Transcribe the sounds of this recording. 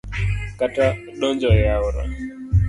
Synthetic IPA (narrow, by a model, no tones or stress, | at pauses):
kata | ɗɔnd͡ʒɔjaʊɾɔ̰